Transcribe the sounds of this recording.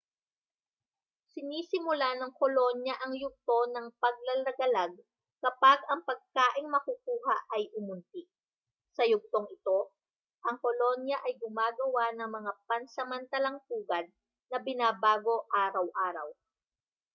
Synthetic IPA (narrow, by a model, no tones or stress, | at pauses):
sɪniːsɪmʊlanɐŋkolo̞njɐʔɐŋjʊɡ̚t̪o̞nɐŋpɐɡ̚lɐlɐɡɐlaɡ̚ | kɐpaɡɐŋpɐɡ̚kaːʔɪŋmɐkukuːɦɐʔɐjʔʊmʊnt̪ɪk̚ | sɐjʊɡ̚t̪oŋɪt̪o̞ | ʔɐŋko̞lo̞njɐʔɐjɡʊmaːɡɐwanɐŋmɐŋapɐnsɐmɐnt̪ɐlɐŋk̪uːɡɐd̪̚ | nɐbɪnaːbaːɡo̞ʔaːɾɐwʔaːɾɐ̰w